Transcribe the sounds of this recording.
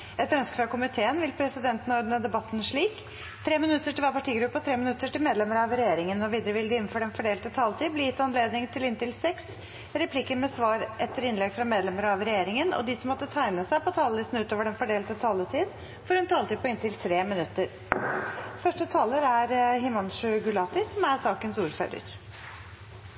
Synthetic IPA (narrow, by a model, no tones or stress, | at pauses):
ɛt̪ɾœnskə̥føkʊmɪt̪ʰeːənʋɪlpʰɾɛsɪd̪ɛnt̪n̩ɔɾd̪ənəd̪ɛbɑt̪ːn̩ʂɭiːk | t̪ʰɾeːmɪnʉt̪ːəʈɪlʋæːɾpɑʈiːɡɾʉpːəɔt̪ʰɾeːmɪnʉt̪ːəʈɪlmeːd̪lɛməɾɑʋɾɛjeːɾɪŋənɔʋiːd̪əɾəʋɪld̪ɪɪnn̩fɔɖɛnfɔɖeːlt̪ət̪ʰɑːlət̪ʰiːd̪blɪjɪt̪ːəɑnleːd̪nɪŋt̪ʰɪlɪnt̪ɪlsɛks | ɾɛpʰlɪkːəmɛsʋɑːɾʔɛt̪ːəɾɪnlɛɡfɾɑmeːd̪lɛməɾɑʋɾɛjeːɾɪŋənɔ̰d̪ɪsɔmːɔt̪ːət̪ʰæɪnəsæɪpʰɔt̪ʰɑːləlɪsn̩ʉːt̪oːʋəɖɛnfɔɖeːlt̪ət̪ʰɑːlət̪ʰiːd̪ | fɔɾɔɛnt̪ʰɑːlət̪iːd̪pɔɪnt̪ɪlt̪ʰɾeːmɪnʉt̪ːəɾ | fœʂʈət̪ʰɑːləɾæɾɦɪmɑnʂʉɡʉlɑːt̪ɪsɔmæɾsɑːkənsuːɾfø̰ːɾə̰ɾ